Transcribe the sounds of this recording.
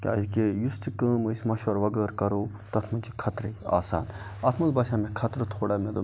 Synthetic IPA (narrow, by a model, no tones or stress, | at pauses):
kʲa̰d͡ʒikejustikəːmɨisʲmɐʃʋɐɾʋɐɡəːɾkɐɾoː | t̪ɐt̪ʰmɐnʲt͡ʃʰikʰɐt̪ɾea̰ːsa̰ːn | ɐt̪ʰmɐnlbaːʃaːmẽkʰɐt̪ɾɨt̪ʰoːɽamẽd̪u